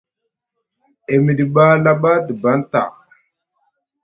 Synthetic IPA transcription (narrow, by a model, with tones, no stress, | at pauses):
e˨mi˨ɗi˨ɓa˦la˦ɓa˦də˨ba˦nta̰˨